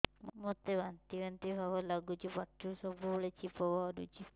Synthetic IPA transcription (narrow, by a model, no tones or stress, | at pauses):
mmot̪ebant̪ibant̪ibʱabɔlaɡut͡ʃʰipaʈːusɔbubɔɭet͡ʃipɔbʱaɔɾut͡ʃʰi